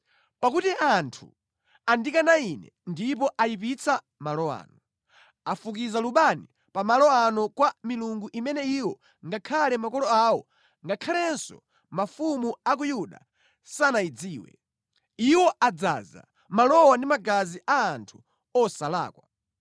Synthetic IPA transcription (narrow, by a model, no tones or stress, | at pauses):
pakutiantʰu | andikanainɛ̰ | ndip̬ɔʔajip̬it͡sʰa | malɔa̰ːnɔ | afuk̬izaluɓani | pamalɔanɔkwamiluŋɡuʔimɛnɛiwɔ | ŋɡakʰalɛmakɔlɔawɔ | ŋɡakʰalɛnsɔ̰ | mafumuak̬ujuɗa̰ | sanaid͡ziːwɛ̰ | iwɔʔad͡za̰za̰ | malɔwandimaɡaziʔaːntʰu̥ | ɔsala̰ːkwa